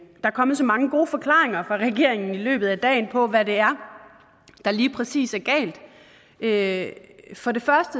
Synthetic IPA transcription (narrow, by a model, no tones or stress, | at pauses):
d̥ɑ̈æɐkʰɒ̽mð̩ˠsɒ̽mɑ̈ŋəɡ̥o̝ːfɒ̽kʰlɑ̰̈ːeŋɐfʁɑ̈ʁɛɡ̥e̝ɐ̰eŋn̩ilø̰ːb̥ð̩ˠæd̥ɛ̰ːnpʰɒ̽ʋæɾe̝æɐ | d̥ɑ̈liːpʰʁɛsḭːsæɐɡ̥ɛ̰ːld̥ | ʔø | fɒ̽ɾe̝fɶɐsd̥ə